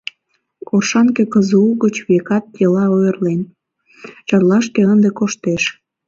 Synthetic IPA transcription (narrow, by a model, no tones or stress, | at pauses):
koʃɑnkekəzəuɣət͡ɕβekɑt̪̚jəlɑojərlen | t͡ɕɑrlɑʃkeənd̪ekoʃt̪eʃ